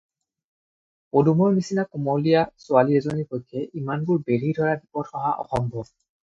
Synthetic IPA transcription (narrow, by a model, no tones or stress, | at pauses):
odumɔɹmisinakumɔlijasʊaliɛzɔnipɔjkʰːɛʔimanbʊɹbeɹidʱɔɹabipɔtxɔɦaʔɔ̰xɔmbʱɔ